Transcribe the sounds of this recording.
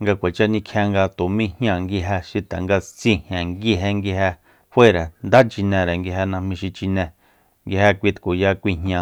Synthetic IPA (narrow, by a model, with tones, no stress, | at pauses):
ŋɡa˧kʷa˨t͡ʃa˦˧nĩ˧kʰẽ˧ŋɡa˧t̪o˨mĩ˦hɲ̃˦ã˧˨ŋɡi˧ɦe˧ʃi˧t̪a˨ŋɡa˧t͡sĩ˧hjã˨ŋɡi˦ɦe˧ŋɡi˧ɦe˧ | hwe˦ɾe˨nd̪a˦t͡ʃi˧nẽ˧ɾe˨ŋɡi˧ɦe˧nã˧hmĩ˧ʃi˧t͡ʃi˧nɛ̃˧˨ | ŋɡi˧he˧kʷi˧t̪ku˨ja˧kʷi˧ɦɲã˧